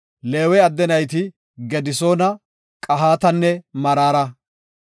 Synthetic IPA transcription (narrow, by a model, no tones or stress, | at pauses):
leːwɛɐd̪ːɛnɐjt̪ɪ | ɡɛd̪ɪsoːnɐ | kʼɐɦaːt̪ɐnːɛmɐɾaːɾɐ